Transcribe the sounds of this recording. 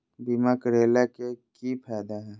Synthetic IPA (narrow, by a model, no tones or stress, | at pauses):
bimakəɾeːlakekipʰɛːd̪aɦɛː